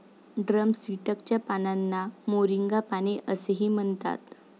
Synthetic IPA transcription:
ɖɾəmsiʈəkt͡ɕjapananːamoɾiŋɡapañeʔəseɦiːm̤əɳt̪a̰t̪

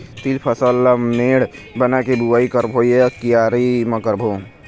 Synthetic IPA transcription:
t̪ilpʰəsəlːəmeːɽbənakebuwaikəɾbʱojekijaɾimɐkəɾbʱo

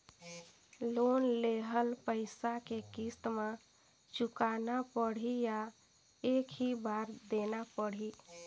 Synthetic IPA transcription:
lonleɦəlpəɪsakekist̪mã | t͡ʃukanapəɽ̤ija | ekʰɦibaɾd̪enapəɽ̤i

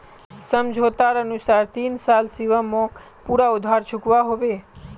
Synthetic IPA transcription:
səmd͡ʒʱot̪aɾənusaɾt̪insalsiʋəmõk | puɾaud̪ʱaɾt͡ʃʰukʋaɦoʋe

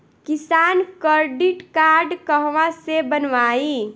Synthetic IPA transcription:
kɪsaːnkəɾɖiʈkaːɾɖkəɦʋãsebənʋaːi

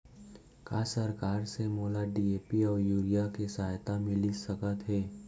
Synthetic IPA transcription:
kaːsɐɾkaːɾsemoːlaɖiːeːpiɔːɾjuːɾijakesaːjt̪amɪlisəkət̪ɦɛː

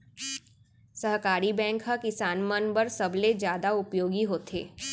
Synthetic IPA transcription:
sɐɦkaːɾibɛ̃ːŋkɦɐkɪsaːnmənbəɾsɐbled͡ʒjaːd̪aʊpjoːɡiɦoːt̪ʰḛː

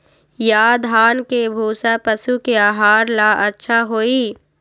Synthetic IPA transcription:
jaːd̪ʱaːnkebʱuːsapəsukeaːɦaːɾlaːʔɐtːʃʰaɦoːiː

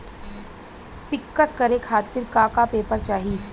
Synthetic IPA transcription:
pɪkːəskɐɾekʰaːt̪ɪɾkaːkapeːpəɾt͡ʃaːɦi

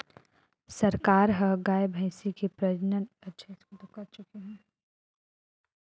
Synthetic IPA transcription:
sɐɾkaːɾɦɐɡaːebʱə̃ɪ̃sikepɾɐd͡ʒnənɐtːʃʰəɪskod̪ɐkɐɾt͡ʃʊkeɦɛ̃ː

